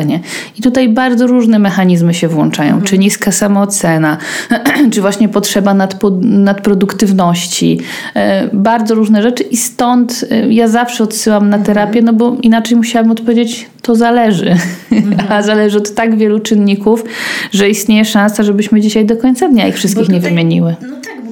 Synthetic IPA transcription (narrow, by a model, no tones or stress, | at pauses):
ɲɛit̪ut̪ajbaɾd̪zɔɾuʐnɛmɛxaɲizmɘɕɛvwɔnt͡ʂajɔ̰̃w̃t͡ʂɘɲiskasamɔːt̪sɛna | t͡ʂɨvwaɕɲɛpɔtʂɛbanat̪pɔnat̪pɾɔd̪ukt̪ɘvnɔɕt͡ɕḭ | baɾd̪zɔɾuʐnɛʐɛt͡ʂɘʔist̪ɔnt̪jazafʂɛɔt̪sɘwamnat̪ɛɾapʲjɛnɔbɔʔinat͡ʂɛjmuɕawabɘmɔt̪pɔvʲed͡ʑet͡ɕ | t̪ɔzalɛʐɘ | azalɛʐɨɔt̪ːaɡvʲjɛlut͡ʂɘnɲikufʐɛist̪ɲejɛʂãnsaʐɛbɘɕmɘd͡ʑiɕajd̪ɔkɔɲʲt̪sad̪ɲaixfʂɘst̪kkʲixɲɛvɘmʲjeɲiwɘ